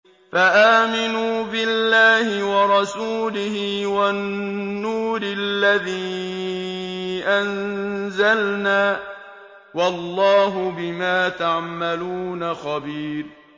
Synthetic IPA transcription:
faʔaːmɪnuːbɪlːaːhɪwɑɾˤɑsuːlɪhɪwanːuːɾɪlːaðiː | ʔanzalnaː | wɑlˤːɑːɦʊbɪmaːt̪aʕmaluːnaxɑbiːɾ

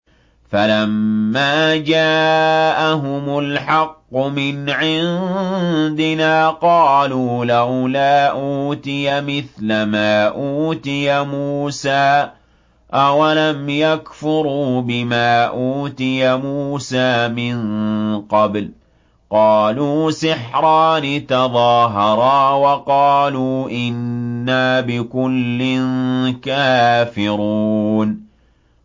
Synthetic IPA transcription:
falamːaːd͡ʒaːʔaɦʊmʊlħɑqːʊmɪnʕɪn | d̪ɪnaːqɑːluːlawlaːʔuuːt̪ɪjamɪθlamaːʔuːt̪ɪjamuːsaː | ʔawalamjakfʊɾuːbɪmaːʔuːt̪ɪjamuːsaːmɪnqɑbl | qɑːluːsɪħɾˤɑːnɪt̪ɑðˤɑːɦɑɾˤɑːwɑqɑːluːʔɪnːaːbɪkʊlːɪnkaːfɪɾuːn

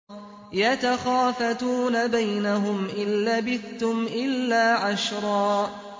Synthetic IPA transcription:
jat̪axaːfat̪uːnabajnaɦʊmʔɪnːabɪθt̪ʊmʔɪlːaːʕaʃɾˤɑː

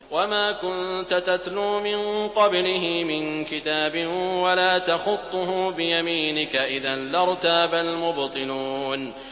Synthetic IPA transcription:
wamaːkʊnt̪at̪at̪luːmɪnqɑblɪɦɪmɪnkɪt̪aːbɪnwalaːt̪ɑxʊt̪ˤːʊɦʊbɪjamiːnɪkaʔɪðanlɑɾˤt̪aːbalmʊbt̪ˤɨluːn

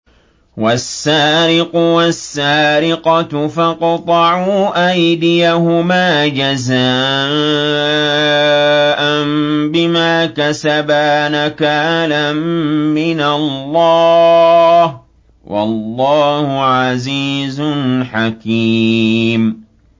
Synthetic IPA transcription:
wasːaːɾɪqʊwasːaːɾɪqɑfɑqt̪ˤɑʕuːʔajd̪ɪjahʊmaːd͡ʒazaː | ʔanbɪmaːkasabaːnakaːlamːɪnalːɑː | h | wʔɑ̰lːɑːhʊʕaziːzʊnħakiːm

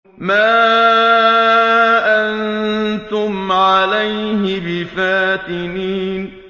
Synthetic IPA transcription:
maː | ʔannt̪ʊmʕalajɦɪbɪfaːt̪ɪniːn

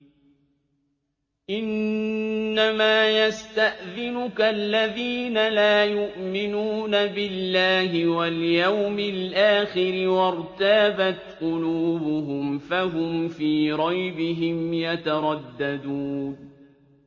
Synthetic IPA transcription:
ʔɪnː | amaːjast̪aʔðɪnʊkalːaðiːnalaːjʊʔmɪnuːnabɪlːaːɦɪwaljawmɪlʔaːxɪɾɪwɑɾˤt̪aːbat̪qʊluːbʊhʊmfaɦʊmfiːɾˤɑjbɪɦɪmjat̪aɾˤɑd̪ːad̪uːn

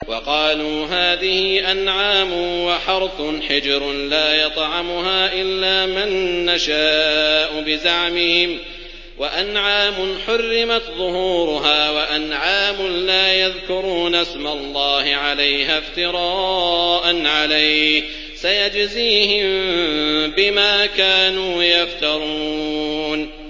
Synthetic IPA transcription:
wɑqɑːluːɦaːðɪhɪʔanʕaːmʊnwaħɑɾˤθʊnħɪd͡ʒɾʊlaːjɑt̪ˤʕɑmʊɦaːʔɪlːaːmanːaʃaːʔʊbɪzaʕmɪhɪm | wʔaʔanʕaːmʊnħʊrːɪmat̪ðˤʊhuːɾʊɦaːwaʔanʕaːmʊnlaːjaðkʊɾuːnʔasmalˤːɑːhɪʕalajhaft̪ɪɾˤɑːʔanʕalajh | sajad͡ʒziːhɪm | bɪmaːkaːnuːjaft̪ɑɾˤuːn

